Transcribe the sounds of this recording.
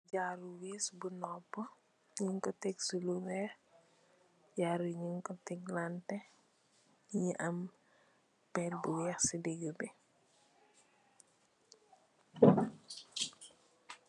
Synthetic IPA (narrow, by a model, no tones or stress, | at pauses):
ɟaːɾuwesbunɔːpːɔ | ɲiŋkɔtɛɡsuluwɛx | ɟaːɾuɲiŋkɔtɛɡlantɛ | ɲiʔɐm | pɛlbuwɛːxsidɛɡubɛ